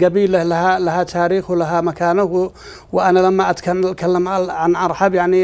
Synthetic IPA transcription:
ɡabiːlalaɦalahat̪ʰaːɾiːxwlaɦamakaːnʊhw | wɪʔanalamːaʔat̪kakʰalːamʕaʕanʔɑɾˤħɑbjaʕni

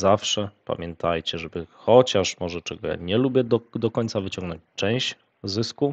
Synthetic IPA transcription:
zafʂɛpa̰mʲjɛnt̪ʰajt͡ɕɛʐɛbɘxɔt͡ɕaʂmɔʐɛt͡ʂɛɡɔja̰ɲɛlubʲjɛd̪d̪ɔkɔɲt̪savɘt͡ɕɔ̃ŋɡnɔ̃ɲt͡ɕt͡ʂɛ̃w̃ɕ | zɘsku

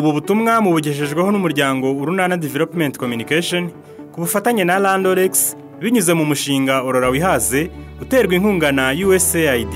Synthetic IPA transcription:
uβuβutumŋamuβuɟeʃ̬e̞ʒɡweho̞numuɾɟaːŋɡo̞uɾunanadevelopmentkomjunikaʃon | kuβufataɲe̞nalandoɾeks | βiɲuze̞mumuʃiːŋɡaoɾo̞ɾawiɦaze̞ | ute̞ːɾɡwiŋ̥huːŋɡanajueseaidi

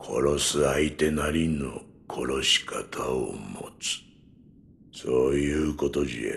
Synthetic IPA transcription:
kʰo̞̰ɾo̞sɨait̪e̞naɾʲino̞̰ | kʰo̞ɾo̞ɕi̥kʰat̪ʰao̰mo̞̰t͡sɨ̥ | so̞ːjɯːko̞t̪o̞ʑḭḛ

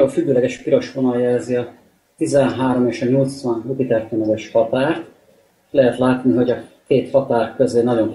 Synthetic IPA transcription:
ofyɡːøːlɛɡɛʃpiɾo̞ʃfonɒljɛlziɒ | t̪izɛnɦaːɾo̞meːʃɒɲo̞lt̪sʋɒnɦut̪it̪ɛrt̪enɛɡɛʃhɒt̪aːrt̪ | lɛɦɛt̪laːt̪niɦo̞ɟɒkeːt̪hɒt̪aːrkøzeːnɒɟo̞n

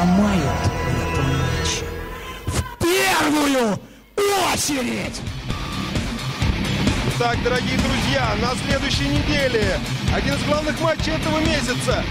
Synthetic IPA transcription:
majʊt̪ɛt̪əmat͡ɕːɪfpʲervʊjʊ | osʲɪɾʲɪtʲ | t̪ak̚d̪əɾɐɡʲijəd̪ɾʊzʲjanɐsʲlʲe̞d̪ʊjɕːɪjənʲɪdʲelʲɪɐdʲinɨzɡlˠavnɨxmat͡ɕːɪjɛt̪əvəmʲes̬ʲɪt̪sə

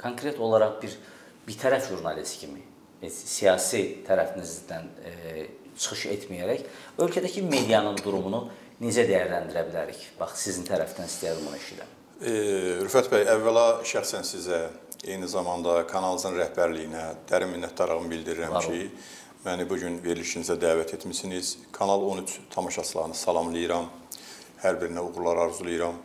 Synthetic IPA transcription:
kʰoŋkʰɾe̞t̪ʰo̞lˠɑɾɑʁbiɾ | bit̪ʰæɾæfʒuɾnɑlist̪cʰimi | ɛsijɑːsit̪ʰæɾæfinizd̪æn | t͡ʃʰɯ̥χɯʃḛt̪ʰmijæɾæçø̞lʲcʰæd̪æcʰime̞d̪ijɑnɯnd̪uɾumunu | nid͡ʒæd̪æjæɾlænd̪iɾæbilæɾḭçb̥ɑχsizint̪ʰæɾæft̪ænist̪ijɑd̪imonɑiʃḭd̪æ̰m | ɾufæt̪bæjævːælɑʃæxsænsizæejnizɑmɑnd̪ɑkʰɑnɑlˠɯzɯnɾæhbæɾlijinæd̪̥æɾimːinːæt̪̚ʰd̪ɑɾɑʁɯmbild̪iɾiɾæmt͡ʃʰi | mænibuɟynve̞ɾliʃinizæd̪æːvæt̪ʰe̞t̪misiniz̥kʰɑnɑlˠo̞nyt͡ʃʰt̪ʰɑmɑʃɑsɯlˠɑɣɯnɯsɑlˠɑmlˠɯjɯɾɑm | hæɾbiɾinæuɣuɾlˠɑɾɑɾzulˠɯjɾɑm

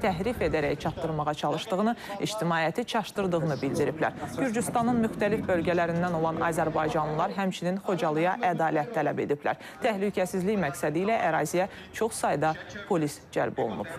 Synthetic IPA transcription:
t̪ʰæɦɾife̞d̪æɾæjt͡ʃʰɑp̚t̪ːɯɾmɑʁɑt͡ʃʰɑlˠɯʃd̪ɯɣɯnɯḭd͡ʒt̪imɑːjæt̪ʰit͡ʃʰɑʃt̪ɯɾd̪ɯʁɯnɯbild̪iɾiplæ̰ɾɟyɾd͡ʒyst̪ɑnɯnmyxt̪ælifbø̞lɡælæɾind̪æno̞lˠɑnɑːzæɾbɑjd͡ʒɑnlˠɯlˠɑɾɦæmt͡ʃʰininχo̞d͡ʒɑlˠɯjɑʔæd̪ɑːlæt̪ʰːælæbe̞̰d̪ipʰlæ̰ɾ | t̪ʰæhlycʰæsizliçmæksæd̪iːlæʔæɾɑːzijæ | t͡ʃʰo̞χsɑjd̪ɑpʰo̞lisd͡ʒæ̰lbo̞̰l̰ˠnṵb̥

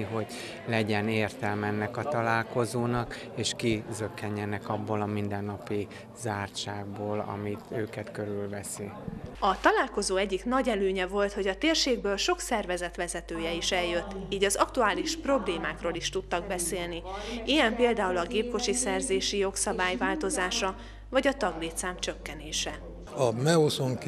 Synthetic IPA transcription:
iɦo̞ɟ | lɛɟɛneːrt̪ɛlmɛɛnːɛkɒt̪ɒlaːlko̞zoːnɒk | eːʃkizøkːɛɲːɛnɛkɒbːolɒmind̪ɛnːɒpi | zaːrt͡ʃaːɡ̚boːlɒ̰mit̪øːkɛt̪køɾylvɛsiɒt̪ɒlaːlko̞zoːɛɟːiknɒɟɛløːɲɛvo̞lt̪ho̞ɟɒt̪eːrʃeːɡbøːlʃo̞ksɛrvɛzɛt̪ʋɛzɛt̪øːjɛiʃɛljø̞t̪ːiːɟɒzɒkt̪uaːliʃpro̞bleːmaːkroːliʃt̪ut̪ːɒɡ̚bɛseːlniʔijɛmpeːld̪aːulɒɡeːp̚ko̞t͡ʃisɛrzeːʃijo̞ksɒbaːjvaːlt̪o̞zaːʃɒ | vɒɟɒt̪ɒɡleːt̪saːmt͡ʃø̞kːɛneːʃɛ | ɒmɛosoŋk

